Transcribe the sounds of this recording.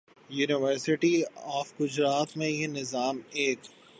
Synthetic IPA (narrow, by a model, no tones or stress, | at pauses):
juːnɪʋəɾsɪʈiɔːfɡʊd͡ʒɾaːt̪mẽjenɪzaːmeːk